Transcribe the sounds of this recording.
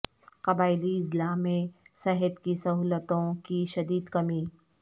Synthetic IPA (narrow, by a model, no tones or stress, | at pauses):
qɐbaːɪliɪslaːmːẽsɛɦət̪kisɐɦuːlət̪õkiʃɐd̪iːd̪kɐmiː